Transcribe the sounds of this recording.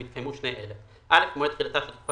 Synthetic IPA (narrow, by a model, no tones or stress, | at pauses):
it̪̚kʰajmuʃnejʔele | ʔalefmoet̪χilat̪aʃelit̪̚pa